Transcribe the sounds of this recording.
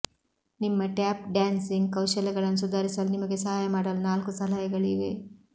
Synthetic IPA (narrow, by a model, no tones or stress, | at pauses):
nimːɐʈjaːp̚ɖjaːnsiŋɡkɐwʃɐlɛɡɐɭɐnːus̬ud̪ʱaːɾisɐlunimɐɡe̞sɐɦaːjɐmaːɽɐlunaːlkusɐɦaːjɐɡɐɭiʋe̞